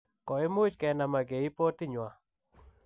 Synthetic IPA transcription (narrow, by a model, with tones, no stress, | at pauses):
kɔ˨ɪ˦mʊ˦t͡ʃkɛ˨na˨ma˨ɡe˨i˦po˦t̪ɪ˦ɲwa˨